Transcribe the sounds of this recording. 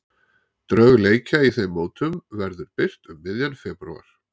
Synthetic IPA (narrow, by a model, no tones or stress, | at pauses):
t̪ɾœɣleːjcaiθejmːoːwt̪ʏmvɛɾðʏɾpɪr̥t̪ʏmːɪðjanfɛːpɾṵa̰ɾ̥